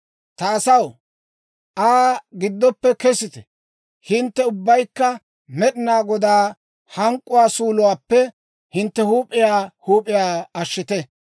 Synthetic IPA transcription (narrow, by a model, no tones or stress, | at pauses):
t̪ɐːsɐw | ʔaːɡɪd̪ːɔpːɛkɛsɪt̪ɛ | hɪnt̪ːɛʊbːɐjkːɐ | mɛɗɪnaːɡɔd̪aː | hɐŋkʼːʊwaːsuːlʊwaːpːɛ | hɪnt̪ːɛhuːpʼːɪjaːhuːpʼɪjaːɐʃːɪt̪ɛ